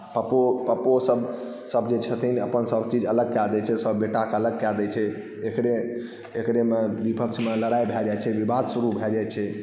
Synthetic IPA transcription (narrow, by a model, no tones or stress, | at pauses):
pəpopəposəb | səbʱd͡ʒet͡ʃʰət̪ʰineəpənsəbt͡ʃid͡ʒələɡ̚kɛld̪ɛt͡ʃʰɛsəbːeʈakələɡ̚kɛld̪ɛt͡ʃʰɛ | ekɾe | ekɾemebipəkt͡ʃʰmeləɽajbʱɛd͡ʒajt͡ʃʰɛʋibad̪ʱsuɾubʱɛd͡ʒaj̪t͡ʃʰɛ